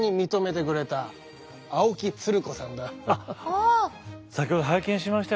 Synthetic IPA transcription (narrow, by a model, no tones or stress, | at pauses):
ɲ̟imʲit̪o̞me̞t̪e̞kɯ̟ɾe̞t̪aː | okʲit͡sɨɾɯ̟ko̞sã̰nd̪aa | sakʲiho̞d̪oɦaikẽɕimaɕi̥t̪a